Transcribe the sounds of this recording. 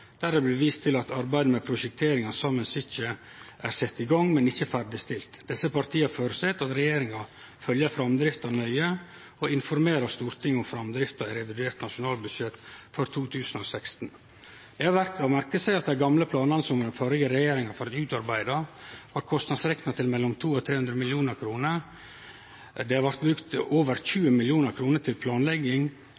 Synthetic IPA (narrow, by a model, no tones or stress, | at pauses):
d̪̥æɾɛblɛʋiːst̪ʰɪlɑt̪ɑɾbæɪd̪əmɛpʰɾʊʃɛk̚t̪ʰeːɾɪŋɑsɑmənsɪçə | ʔæɾsɛt̪ːɪɡɑŋmɛnɪçːəfæɾɖɪst̪ɪlt̪d̪̥ɛsːəpɑɾt̪ʰiːɑfoːɾəsɛt̪ːɑt̪ɾɛjeːɾɪŋɑ | fœljəfɾɑmd̪ɾɪft̪ɑnœʏə | ɔɪnfɔɾmeːɾɑst̪uːɾt̪ʰɪŋːʊmfɾɑmd̪ɾɪft̪ɑɪɾɛʋɪd̪ʉeːɾʈ̪nɑʂʊnɑːlbʉd̪ʃɛt̪ːfœɾt̪ʰuːt̪ʰʉːsənɔsɛkst̪n̩ | d̪̥ɛhɑʋæɾkɑʋmæɾkəsæɪɑt̪̚d̪æɪɡɑmləpʰlɑːnɑnəsɔmɾəfɑːɾɪɡəɾɛjeːɾɪŋɑfɔɾɑt̪ʉːt̪ɑɾbæɪd̪ɑhɑːɾkʰɔst̪nɑd̪sɾɛknɑt̪ʰɪlmɛlːɔmt̪ʰuːɔt̪ʰɾeːhʉnd̪ɾəmɪljuːnəɾkʰɾuːnəɾ | d̪ɛhɑɾʋɑɾt̪̚bɾʉkt̪oːʋəɾçʉːəmɪljuːnəɾkʰɾuːnəʈ̪ʰɪlpʰlɑːnlɛɡːɪŋ